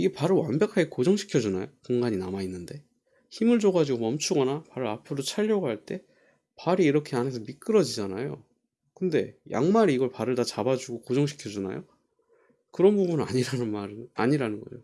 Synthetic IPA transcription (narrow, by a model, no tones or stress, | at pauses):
iɡe̞paɾɯwanbjʌkʰaɡekod͡ʑʌŋɕʰi̥kʰjʌd͡ʑunajokoŋɡaɲinamainːɯnde̞ | çimɯɭd͡ʑoɡad͡ʑiɡomʌmt͡ɕʰuɡʌnapaɾɯɾapʰɯɾot͡ɕʰaʎːʌɡoɦaɭt͈e̞ | paɾiːɾʌkʰeane̞sʰʌmik͈ɯɾʌd͡ʑid͡ʑanajo | kɯnde̞ja̰ŋmaɾiːɡʌɭpaɾɯɭtat͡ɕabad͡ʑuɡokod͡ʑʌŋɕʰi̥kʰjʌd͡ʑuna̰jo̰ | kɯɾʌnbubunaɲiɾanɯnmaɾɯna̰ɲiɾanɯnɡʌ̰o